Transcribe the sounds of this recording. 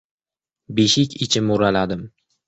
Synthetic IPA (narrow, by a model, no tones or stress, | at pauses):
beʃɪkʲɪt͡ʃʰɪmoɾalad̪ɪm